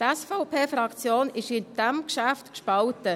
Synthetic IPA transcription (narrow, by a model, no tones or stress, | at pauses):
tɛsfɔʊpʰeːfɾɑkt͡sjoːnɪʃɪnd̥æmkʃæftkʃpɑltə